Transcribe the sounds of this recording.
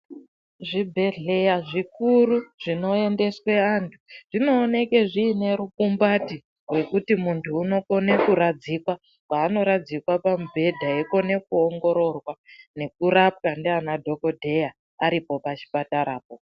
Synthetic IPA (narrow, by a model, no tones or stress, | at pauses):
ʐibʱe̞ɮe̞jaʐikuɾuʐ̥ino̞e̞nde̞swe̞antʰuʐ̥ino̞ːne̞ke̞ʐiːne̞ɾukumbati | rwe̞kutimuntʰuːno̞ko̞ne̞kuɾad͡zikwa | paːno̞ɾad͡zikwapamubʱe̞dʱaeko̞ne̞kuoŋɡo̞ɾo̞rwane̞k̚uɾap̚kandeanadʱo̞ko̞dʱe̞ja | aɾipo̞pat͡ʃi̥pataɾaːp̚o